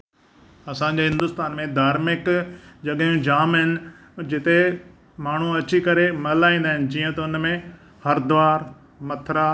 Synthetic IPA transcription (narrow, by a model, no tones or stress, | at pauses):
ɐsãːɲd͡ʑeːɦɪ̃nd̪ʊst̪aːnmẽd̪ʱaːɾmɪkd͡ʑɐɠjũd͡ʑaːmɦɪnɪ̆ | d͡ʑɪt̪e | maːɳ̤uɐt͡ɕikɐɾemɐlaːĩːn̆d̪aːɦɪnɪ̆d͡ʑiːə̃t̪ɐʊnmẽ | hɐɾd̪ʊʋaːɾ | mɐt̪ʰɾa